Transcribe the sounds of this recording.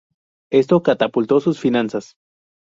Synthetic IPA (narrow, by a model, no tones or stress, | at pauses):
e̞st̪okat̪apult̪o̞susfinansas